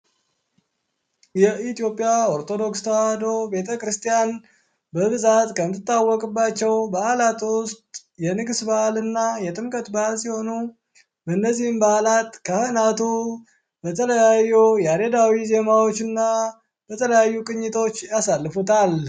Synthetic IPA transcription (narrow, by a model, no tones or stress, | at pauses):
jɛʔit̪ijo̞pʼːijaoɾt̪ʰo̞d̪o̞kst̪ʰəwad̪o̞be̞t̪ʰəkɾɨst̪ijan | bəbɨzat̪kʰəmɨt̪ʰːɨt̪ʼːawːɔkʼɨbːat͡ʃːɛwbəalat̪ʼwʊst̪ʼ | jɛnɨɡsbaʔlɨnːajɛt̪ʼɨmkʼət̪baalsiho̞nu | bənːəzːihmbalat̪kʰəhɨnat̪ʰu | bət̪ʰələjajːujɛaɾed̪awize̞mawo̞t͡ʃːɨnːa | b̥ət̪ʰələjajːukʼɨɲːɪt̪ʰo̞t͡ʃːjasalːɨfut̪ʰal